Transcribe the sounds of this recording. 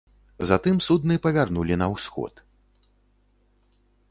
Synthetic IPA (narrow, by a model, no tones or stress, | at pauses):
zat̪ɨmsud̪nɨpɐvʲarnulʲinɐwsxɔ̰t̪